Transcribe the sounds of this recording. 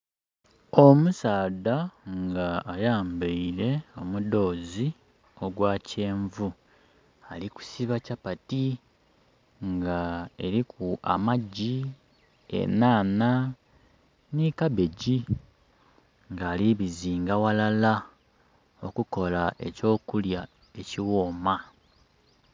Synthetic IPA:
o̞musaːd̪aŋɡaːjaːmbeiɾe̞o̞mudo̞ːzi | o̞ɡwaːce̞ːɱvu | aliku̥siβacapati | ŋɡae̞ɾikʰua̰maɟi | ḛnaːna | nikaβe̞ɟi | ŋɡaːliβiziːŋɡawalala | o̞kuko̞laʔe̞co̞ːkulja | e̞ciwoːma

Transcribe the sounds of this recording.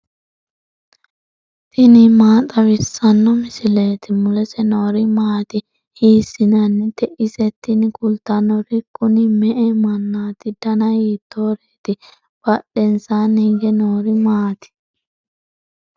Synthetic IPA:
t̪ɪnɪmaːt̪ʼɐwɪsːɐnːɔmɪsɪleːt̪ɪmʊlɛsɛnoːɾɪmaːt̪ɪ | hiːsɪnɐnːɛt̪ɛʔɪsɛt̪ːɪnkʊlt̪ɐnɔɾɪkʼːʊnɪmɛʔɛmɐnːaːt̪ɪd̪ɐnɐjiːt̪ːoːɾeːt̪ɪ | b̥ɐɗɛnsaːniɡɛnoːɾɪmaːt̪ɪ̥

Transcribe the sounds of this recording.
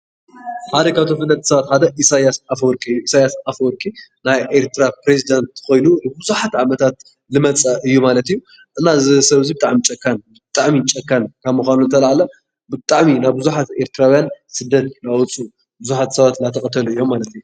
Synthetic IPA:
ħaɾɐkat̪ʰofɨlːɐt̪ʰːsɐβat̪ħad̪ɐʔisajasafwɔɾkʼiɨjːuʔisajasafɔɾkʼinajʔeɾt̪ʰɨɾapɾezid̪ant̪xo̞jnuɨbɨzuħat̪ʕamɐt̪ʰat̪̚ | lɨmɐt͡sʼɐʔɨjːumalɐt̪ɨjːu | ʔɨnːazɨsɐβzibɨt̪ʼaʕmit͡ʃʼɐkʰːanbɨt̪ʼaʕmit͡ʃʼɐkʰːankʰaβmuxʷanuzɨt̪ʰɐlaʕalɐ | bɨt̪ʼaʕminaβbɨzuħat̪e̞ɾt̪ʰɨɾawjansɨd̪ːɐt̪lawt͡sʼu | bɨzuħat̪sɐβat̪lat̪ʰɐkʼɐt̪ʰɐluɨjːo̞mːalɐt̪ijːu

